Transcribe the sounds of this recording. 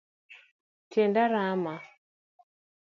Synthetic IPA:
tʰɛndaɾama

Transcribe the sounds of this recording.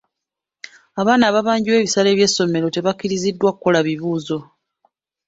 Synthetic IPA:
aβaːnaːβaβaːɲɟiwe̞ːβisale̞ːβje̞sːo̞me̞ɾo̞te̞βakːiɾizidːwakuko̞laβiβuːzo̞

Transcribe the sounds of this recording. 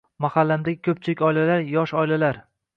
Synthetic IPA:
mahalːamd̪aɡʲɪkʲʰɵp̚t͡ʃʰɪlɪkʲɒjlalaɾjɒʃɒjlalaɾ

